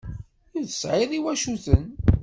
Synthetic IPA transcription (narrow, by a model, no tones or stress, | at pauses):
uðə̥sʕɪðˤiwæʃuθən